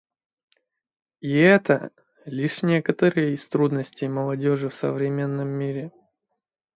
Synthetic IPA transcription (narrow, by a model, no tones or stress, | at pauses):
iɛt̪ə | lʲiʂnʲekət̪əɾɨjəist̪ɾud̪nəsʲtʲejməlˠɐdʲoʐɨfsə̰vɾʲɪmʲe̞nːəmːiɾʲɪ